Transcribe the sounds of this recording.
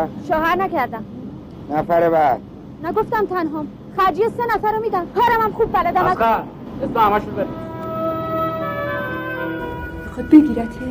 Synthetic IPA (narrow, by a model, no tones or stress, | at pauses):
ʃɒːhæɾnækʰæɾd̪æm | næfæɾeβæd̪̥ | næɡoft̪æmt̪ʰænɦɒːm | xæɾd͡ʒijesenæfæɾomiːd̪æmkʰɒːɾæmæmxuːbːælæd̪æmæa | esbehæmæʃubeɾæ | xɔbeɡʲiːɾæt̪ʰ